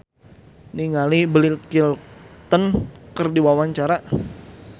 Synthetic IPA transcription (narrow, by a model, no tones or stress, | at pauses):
niŋalibəlilkilt̪ənkərdiwawaɲt͡ʃaɾa